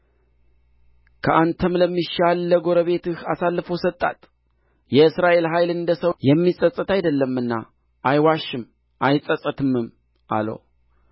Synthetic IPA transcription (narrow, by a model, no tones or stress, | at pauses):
kʰəʔant̪ʰəmləmːiʃalːəɡo̞ɾəβe̞t̪ɨhasalːəfosət̪ʼːa̰t̪ʼ | jɛɨsɾaʔe̞lɦaje̞lɨnd̪əsəwjɛmːisʼəsʼɨt̪ajd̪əlːəmːɨnːa̰ | ʔajwaʃːɨm | ʔajsʼəsʼət̪ʰɨmːɨm | ʔa̰lə̰w